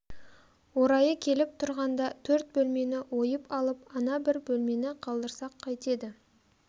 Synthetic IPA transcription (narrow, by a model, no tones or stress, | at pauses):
woɾɑjəkʲʰe̞lɪp̚t̪ʰʊɾʁɑnd̪ɑt̪ʰɵɾt̪̚bɵlme̞nɪwo̞jəpɑlˠəpɑnɑbɪɾbɵlme̞nɪqʰɑlˠd̪əɾsɑqʰːɑjt̪e̞d̪ɪ